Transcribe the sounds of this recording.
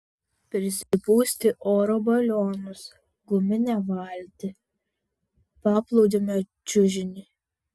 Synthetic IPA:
pʲɾʲɪsʲɪpuːsʲt̪ʲɪʔoːɾoːbɐlʲoːnʊs | ɡʊmʲɪnʲɛʋɑlʲt̪ʲɪ | pɑːplˠɔʊd͡ʒ̪ʲomʲɛ | t͡ʃʲʊʒʲɪnʲiː

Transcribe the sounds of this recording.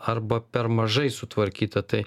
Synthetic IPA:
ɐɾbɐpʲɛɾmɐʒɐɪsʊt̪ʋɐɾʲkʲiːt̪ɐt̪ɐɪ

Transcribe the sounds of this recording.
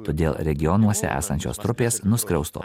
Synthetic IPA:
t̪oːd̪ʲeːlˠɾʲɛɡʲɪjɔnuɔsʲɛ̰ʔæ̰ːsɐnʲt͡ʃʲo̰ːst̪ɾʊpʲeːsnʊskɾʲɛʊst̪o̰ː

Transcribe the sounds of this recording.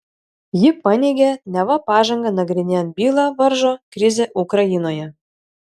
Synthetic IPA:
jipɑnʲeɡʲænʲɑβɑpɑʒɤ̆ŋɡɤ̆nɑɡɾʲinʲænbʲilˠɑβɤ̆rʒokrʲizʲeʔukrɑjinojɤ

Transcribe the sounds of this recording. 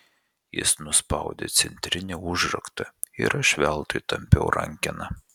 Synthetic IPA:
jɪ̰snʊspɑˑʊd̪ʲḛt̪sʲɛnʲt̪ʲɾʲɪnʲɛʊʒɾɐ̰kt̪ɐɪ̰ɾɐʃʲʋʲɛlˠt̪ɨɪt̪ɐmʲpʲɛʊɾɐ̰ŋʲkʲɛnɐ

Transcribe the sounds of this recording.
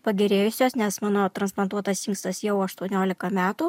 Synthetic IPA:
pɐɡʲɛɾʲeːjʊsʲoːsnʲɛsmɑːnoːt̪ɾɐnsplˠɐnt̪uɔt̪ɐsɪŋkst̪ɐsjɛʊɐʃt̪uɔnʲoːlʲɪkɐmʲæːt̪uː

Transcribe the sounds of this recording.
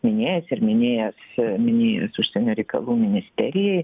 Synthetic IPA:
mʲɪnʲeːjɛsɪɾmʲɪnʲeːjɛsmʲɪnʲeːjɛ̰sʊʃsʲeɛnʲuːɾʲɛɪkɐ̰lˠuːmʲɪnʲɪsʲt̪ʲɛɾʲɪjɛɪ

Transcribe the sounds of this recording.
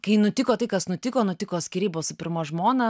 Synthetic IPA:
kɐɪnʊt̪ʲɪkoːt̪ɐɪkɐsnʊt̪ʲɪkoːnʊt̪ʲɪkoːt̪ʲsʲkʲɪɾʲiːboːsɪpʲɪɾmoːʒmoːnɐ

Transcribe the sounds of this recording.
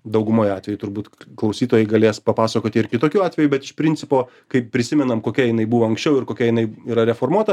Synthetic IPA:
d̪ɐʊɡʊmoːjɑːt̪ʲʋʲɛjut̪ʊɾbuːt̪klˠɐʊsʲiːt̪oːjɛɪɡɐlʲeːspɐpɑːsɐkoːt̪ʲɪɪɾkʲɪt̪oːkʲuːɑːt̪ʲʋʲɛjubʲɛt̪ɪʃpʲɾʲɪnʲt͡s̪ʲɪpoː | kɐɪppʲɾʲɪsʲɪmʲɛnɐmkoːkʲɛjɪnɐɪbuʋoːɐŋksʲt͡ʃʲɛʊɪɾkoːkʲɛjɪnɐɪiːɾɐɾʲɛfoːrmuɔt̪ɐ

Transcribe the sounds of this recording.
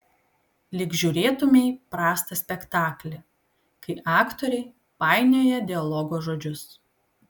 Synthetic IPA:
lʲɪkʒʲuːɾʲeːt̪ʊmʲɛɪpɾɑːst̪ɐsʲpʲɛkt̪ɑːklʲɛ | kɐɪʔɑːkt̪ɔɾʲɛɪ | pɑˑɪnʲoːjɛd̪ʲɪɐlˠɔɡoːʒoːd͡ʒʲʊs

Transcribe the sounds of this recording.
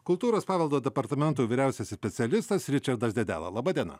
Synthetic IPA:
kʊlˠt̪uːɾoːspɑːʋʲɛlˠd̪oːd̪ʲɛpɐɾt̪ɐmʲɛnt̪uːʋʲiːɾʲæˑʊsʲɛssʲpʲɛt̪sʲɪɛlʲɪst̪ɐsɾʲɪt͡ʃɐɾd̪ɐsd̪ʲɛd̪ʲæ̰ːlˠɐ̰lˠɐːbɑːd̪ʲiɛnɐ̰

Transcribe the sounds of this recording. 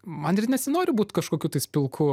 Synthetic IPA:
mɐnɪrnʲɛsʲɪnoːɾʲɪbuːt̪kɐʃkoːkʲuːt̪ɐɪsʲpʲɪlˠkʰʊ

